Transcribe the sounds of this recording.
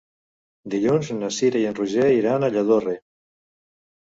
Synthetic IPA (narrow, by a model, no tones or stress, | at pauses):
d̪iʎonznasiɾajenruʒeiɾanaʎaðore